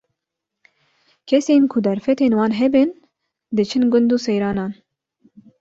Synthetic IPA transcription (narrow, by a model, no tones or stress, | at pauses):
kʰɛseːnkʰʊd̪ɛɾfɛt̪eːnwɑːnɦɛbɨn | d̪ɨt͡ʃʰɨnɡʊnd̪uːsɛjɾɑːnɑːn